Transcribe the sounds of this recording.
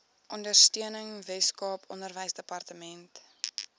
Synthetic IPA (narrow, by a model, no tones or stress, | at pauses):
ʔɔndərstiənəŋvɛskɑːpɔndərvəjsdəpɐrtəmɛnt